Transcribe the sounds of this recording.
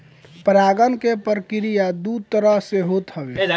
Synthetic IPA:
pɾaɡənkepəɾkɪɾijad̪ut̪əɾəɦseɦot̪ɦəbe

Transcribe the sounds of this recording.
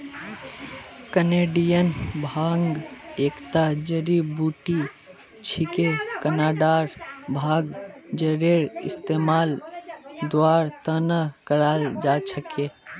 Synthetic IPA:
kəneɖijənbʱaŋɡekt̪ad͡ʒəɾibuʈi | t͡ʃʰikekənaɖaɾbʱaɡd͡ʒəɾeɾɪ̰st̪emal | d̪oaɾt̪ənəkəɾald͡ʒat͡ʃʰəke

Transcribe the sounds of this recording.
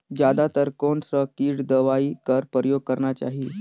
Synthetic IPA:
d͡ʑad̪at̪əɾkoɳsəkiːɽd̪əʋaiːkəɾpɾəjoɡ̚kəɾɳat͡ɕa̰ɦi

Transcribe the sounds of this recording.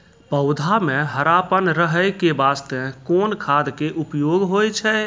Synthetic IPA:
pəʊd̪ʱameɦəɾapənɾəɦəjkebast̪ekonkʰad̪keʔupjoɡɦojt͡ʃʰɛ

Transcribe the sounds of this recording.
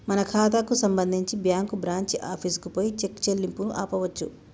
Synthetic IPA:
mɐnɐkʰaːt̪̬aːkusɐmbɐnd̪ʱiɲt͡ʃibjaːŋkubɾaːɲt͡ʃiʔaːpʰiskupoːjit͡ʃekːt͡ʃelːimpunuʔaːpɐʋɐt͡ʃːṵ

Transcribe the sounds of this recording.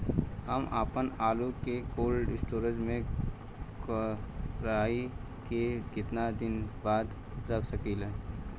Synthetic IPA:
həmaːpənaːlukekoːlɖɪsʈoːɾəd͡ʒmẽ | kəɾaːi | kekɪt̪nad̪ɪnbaːd̪ | ɾəkʰsəkilɛ̃ː

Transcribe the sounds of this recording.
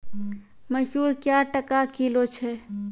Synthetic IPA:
məsuɾkjaʈəkakilot͡ʃʰɛ

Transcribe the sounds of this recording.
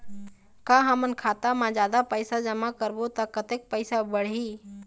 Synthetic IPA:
kãːɦəmənkʰaːt̪amãd͡ʒjaːd̪apəɪsad͡ʒəmakəɾbot̪akət̪eːk̚pəɪsabəɽ̤iː

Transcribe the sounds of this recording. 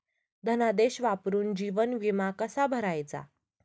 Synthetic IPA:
d̪ʱənad̪eɕʋapɾuːnd͡ʑiʋənʋimakəsabʱəɾajt͡sa̰

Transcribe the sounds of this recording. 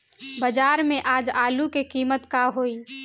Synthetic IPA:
bəd͡ʒaːɾmẽʔaːd͡ʒaːlukekiːmət̪kaɦoːiː

